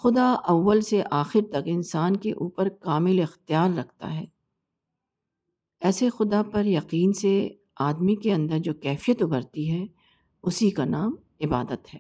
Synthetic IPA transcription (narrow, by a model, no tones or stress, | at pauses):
xʊd̪aʔɐʋːəlseʔaːxɪɾt̪ɐkɪnsaːnkeʔuːpəɾkaːmɪlɪxt̪ijaːɾːɐkʰt̪a̰ɦɛː | ɛːsexʊd̪apɐɾjɐqiːnse | aːd̪mikeɐ̃nd̪əɾd͡ʒoːkɛːfijət̪ʊbəɾt̪iɦɛ | ʊsikanaːm | ɪbaːd̪ət̪ɦɛː